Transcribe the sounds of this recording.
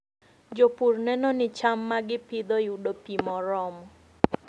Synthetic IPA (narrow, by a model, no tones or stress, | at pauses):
d͡ʒopurnɛnɔnɪt͡ʃamːaɡɪpɪd̪ɔjudopimɔɾɔmɔ